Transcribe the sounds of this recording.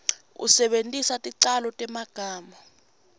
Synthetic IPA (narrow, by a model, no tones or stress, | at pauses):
ṵsɛɓentʼisatʼiǀalɔtʼɛmaɡ̥ʱaːmɔ